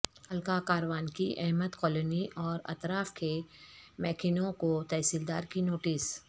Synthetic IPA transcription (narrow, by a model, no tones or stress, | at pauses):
hɐlkakaːɾʋaːnkiʔɛ̰ɦməd̪kɔːloniʔɔːɾɐ̰t̪ɾaːfkemɛːkʰɪnõkot̪ɛːsiːld̪aːɾkinoːʈɪs